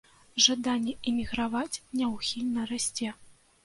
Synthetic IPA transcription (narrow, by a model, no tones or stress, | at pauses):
ʐad̪anʲːɛʔɛmʲiɣɾavat͡sʲnʲɛwxʲilʲnɐɾasʲt͡sʲɛ